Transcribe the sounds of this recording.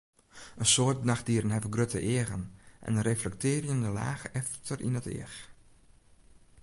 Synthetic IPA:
ənsoət̚naxdiəɾənɦɛvəɡrøtʰə̰ʔɪəɣənʔɛ̰nəreflɛk̚tɪːrjəndəla̰ːxɛftʰərʔḭnətɪ̰əx

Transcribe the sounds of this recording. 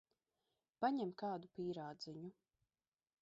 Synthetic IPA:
paɲɛmkɑːd̪upiːɾaːd̪ziɲu

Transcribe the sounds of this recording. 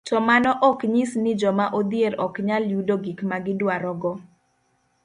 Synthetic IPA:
tɔmanɔʔɔkɲisnɪd͡ʒɔmaʔod̪ɪeɾɔkɲaljudoɡikmaɡɪdwaɾɔɡɔ

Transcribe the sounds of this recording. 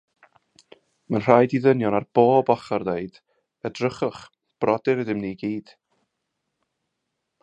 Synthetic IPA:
manr̥ajdiðənjɔnarb̥oːbɔχarðeɨd̥ | ədrəχʊχ | b̥rɔdɨɾəðɪmniɡiːd̥

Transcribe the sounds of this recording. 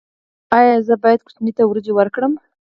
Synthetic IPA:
ɑjɑzəbɑjad̪kʊ̥t͡ʃnit̪awɾod͡ʒewəɾkɽəm

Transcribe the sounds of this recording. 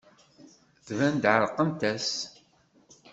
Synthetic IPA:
θvænd̪ʕəɾqəmt̪æs

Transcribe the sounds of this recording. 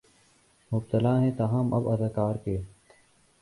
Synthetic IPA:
mʊb̚t̪əlaːɦɛ̃ːt̪aɦaːmʔɐ̰bɐd̪aːkaːɾkeː

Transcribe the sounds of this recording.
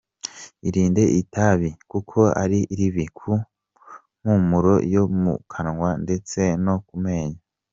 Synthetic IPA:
iɾiːnde̞ʔitaβikukʰo̞a̰ɾiʔiɾiβikʰu | m̥umuɾo̞jomṵkʰanŋwande̞t͡se̞no̞k̚ume̞ːɲa

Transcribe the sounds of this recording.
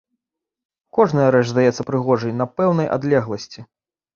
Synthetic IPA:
kɔʐnɐjɐɾɛt͡ʂzd̪ajɛt̪sːɐpɾɨɣɔʐɐjnɐpɛwn̪ɐjʔa̰d̪lʲɛɣlˠɐsʲt͡sʲi

